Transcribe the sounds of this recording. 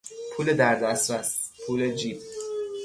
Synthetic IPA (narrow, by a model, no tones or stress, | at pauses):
pʰuːled̪æɾd̪æst̪ɾæspʰuːled͡ʒiːb̚